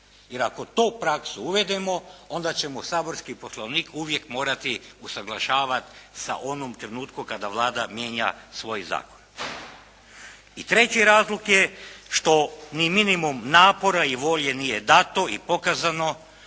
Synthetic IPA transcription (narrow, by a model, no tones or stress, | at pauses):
jeɾako̞t̪oːpɾaksuuʋe̞d̪emo̞o̞nd̪at͡ɕe̞mosaːbo̞ɾskipo̞slˠoʋniːkʰuʋjekmo̞ːɾat̪iusaɡlˠaʃaːʋat̪sa̰ʔo̞nomt̪ɾenuːt̪kukad̪aʋlˠaːd̪amje̞ːɲa̰sʋo̞jza̰ːkon | it̪ɾe̞t͡ɕiɾaːzlˠokjeʃt̪o̞niminimumnaːpo̞ɾaiʋo̞ʎenijed̪at̪o̞ipo̞kazano̞